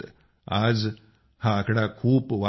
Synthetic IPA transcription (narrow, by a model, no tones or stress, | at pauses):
ad͡z | hãːkɽakʰuːpʋa